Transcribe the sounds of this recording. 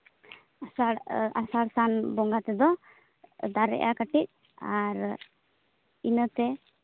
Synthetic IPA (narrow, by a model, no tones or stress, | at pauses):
asaɽasaɽsanbɔŋɡat̪ɛd̪ɔ | d̪aɾɛ̰ʔakaʈic̚ | aɾ | inət̪ɛ